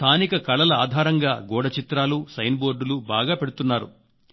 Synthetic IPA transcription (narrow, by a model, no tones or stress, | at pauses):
st̪ʰaːnikɐkɐɭɐlɐaːd̪ʱaːɾɐŋɡaːɡɔːɽɐt͡ʃit̪ɾaːlusɐjnboːɾɖulubaːɡaːpe̞ɽut̪unːaːɾṵ